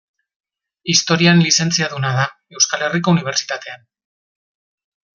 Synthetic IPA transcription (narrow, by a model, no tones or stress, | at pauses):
ist̪o̞ɾianlise̞nt͡siaðunað̞a | e̞wskale̞riko̞uniβ̞e̞ɾt͡si̥t̪at̪e̞an